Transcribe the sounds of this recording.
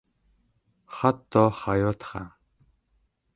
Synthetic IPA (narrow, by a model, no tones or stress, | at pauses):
χat̪ːɔχajʊːt̪χa